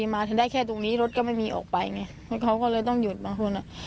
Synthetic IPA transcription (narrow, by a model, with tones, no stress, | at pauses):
iː˧maː˧t̪ʰa˨˧˦ndaː˥˩jkʰɛː˥˩t̪o˧ŋniː˦˥ɾo˦˥t̪̚kɔː˥˩ma˥˩jmiː˧ʔɔ̰ː˨˩k̚pa˧jŋa˧˩˦kʰa˦˥wkɔː˥˩lɤː˧jt̪ɔ˥˩ŋju˨˩t̪̚baː˧ŋkʰo˧nʔa˨˩